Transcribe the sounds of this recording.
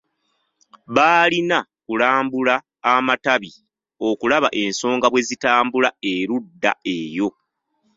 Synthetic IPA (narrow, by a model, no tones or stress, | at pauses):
βaːlinakulaːmbulaː | mataβi | o̞kulaβa̰ʔe̞nso̞ːŋɡaβwe̞zitaːmbulae̞ɾudːa̰e̞jo̞